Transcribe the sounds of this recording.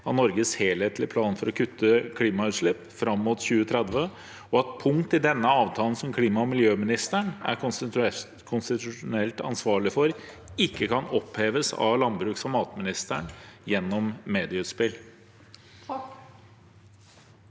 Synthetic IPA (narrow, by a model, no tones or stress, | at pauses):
ɑt̪nɔɾɡəsheːlheːt̪lɪpʰlɑːnfɔɾɔkʰʉt̪ʰːəkʰliːmɑʉːt̪ʂɭɪpːfɾɑmːuːt̪çʉːət̪ʰɾɛd̪ʋə | ɔɑt̪̚pʰʊŋt̪ɪd̪ɛnːəɑːʋt̪ʰɑːln̩sɔmkʰliːmɑɔmɪljøːmɪnɪst̪əɳæ̰ | kʰʊnst̪ɪt̪ʉʂʊnɛlt̪ɑ̰nsʋɑːɭɪfɔɾ | ɪkːəkʰɑnɔpheːʋəsɑ̰ʋlɑnbɾʉːksɔmɑːt̪mɪnɪst̪əɳjɛnːɔmːeːd̪ɪʉːt̪spɪl